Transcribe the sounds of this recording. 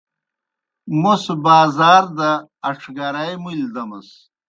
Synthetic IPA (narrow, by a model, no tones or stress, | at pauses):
mosbaːzaːɾd̪ɐːʈ͡ʂʰɡɐɾajmuld̪ɐmɐs